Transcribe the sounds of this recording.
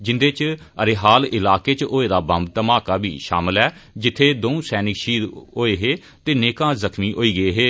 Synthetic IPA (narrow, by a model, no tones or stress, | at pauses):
d͡ʒɪnd̪eːt͡ʃ | əɾeːɦaːlɪlaːkeːt͡ʃoːeːd̪aːbəmb̚t̪əmaːkaːbḭːʃa̰ːmɪlɛː | d͡ʒɪt̪ʰːeːd̪oːũːsɛːnɪkʃiːɾoːeːɦeː | t̪eːneːkãːzəkʰmiːʔoːiːɡəeːɦeː